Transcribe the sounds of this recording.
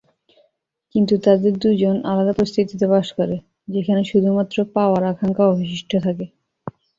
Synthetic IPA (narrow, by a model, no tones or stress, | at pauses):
kint̪ut̪ad̪eɾd̪ud͡ʑona̰lad̪apɾost̪ʰit̪it̪epaʃkoɾe | d͡ʑekʰaneʃud̪ʱumat̪ːɾopaoaɾakʰaŋkaɔbʱiʃiʃʈʰot̪ʰake